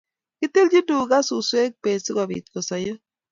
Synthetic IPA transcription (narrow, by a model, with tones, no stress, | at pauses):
kɪ˦t̪e˦ld͡ʒi˦du˨ɡa˦su˨swe˦k̚pe˨sɪ˦ɡa˨bḭ˨t̪̚ko˨sa˨jo˦